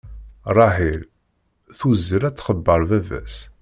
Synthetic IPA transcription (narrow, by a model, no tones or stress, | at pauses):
rˤɑħil | θuzːəɾæt͡sːχəbːəɾˤvævæ̰s